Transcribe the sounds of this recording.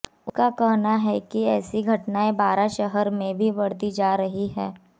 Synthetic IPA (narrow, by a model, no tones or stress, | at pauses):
ʊkakɛɦnaɦɛkiɛːsiɡʱɐʈnaebaːɾaʃɐɦəɾmẽbʱibɐɽt̪id͡ʒaːɾɐɦiɦɛː